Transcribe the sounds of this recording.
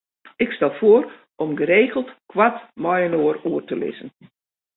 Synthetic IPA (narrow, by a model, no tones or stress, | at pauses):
ɪkstɛlˠfoər | ʔɔmɡəɾeːɣəlˠtkʰwatmɔjənoəruərtəlɪ̰zən̩